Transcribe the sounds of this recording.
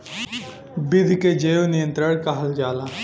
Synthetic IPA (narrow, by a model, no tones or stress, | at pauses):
bɪd̪ʱked͡ʒeːonɪjə̃nt̪ɾəɽkaɦɐld͡ʒaːlaː